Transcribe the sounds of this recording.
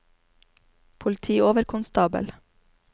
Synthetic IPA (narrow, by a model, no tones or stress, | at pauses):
pʰʊlɪt̪ʰiːoːʋəɾkʰʊnst̪ɑːbə̰l